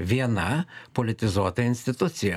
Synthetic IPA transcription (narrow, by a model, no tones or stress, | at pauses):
ʋʲiɛnɐpɔlʲɪt̪ʲɪzuɔt̪ɐɪnʲsʲt̪ʲɪt̪ʊt̪sʲɪjɛ